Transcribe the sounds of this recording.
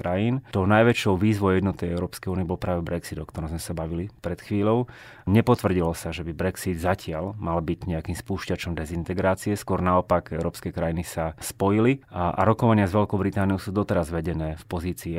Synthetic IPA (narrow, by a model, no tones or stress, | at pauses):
kɾajiːnt̪ɔʊnajʋɛt͡ʃɔʊʋiːzʋɔʊɛd̪nɔt̪ɛɛʊɾɔːpskɛjuːniɛbɔlpɾaːʋɛbɾɛksid̪ɔkt̪ɔɾɔmzmɛsabaʋilipɾɛt̪xʋiːʎɔʊ | ɲɛpɔt̪ʋr̩ɟilɔsaʒɛbibɾɛksid̪zacɪalmalbiɟɲɛakiːmspuːʃcat͡ʃɔmd̪ɛzint̪ɛɡɾaːt͡siɛskʊɔɾnaɔpaɡɛʊɾɔːpskɛkɾajinisaspɔjiliʔa̰ɾɔkɔʋaɲɪazʋɛlkɔʊbɾit̪aːnijɔʊsuːd̪ɔt̪ɛɾazʋɛɟɛnɛːfpɔziːt͡siː